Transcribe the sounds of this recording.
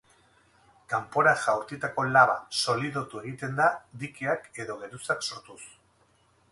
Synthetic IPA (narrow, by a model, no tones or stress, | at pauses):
kampo̞ɾaʝawɾt̪it̪ako̞laβaso̞liðo̞t̪ue̞ɣ̞it̪e̞nd̪ad̪ikiake̞ðo̞ɣe̞ɾusakso̞ɾt̪us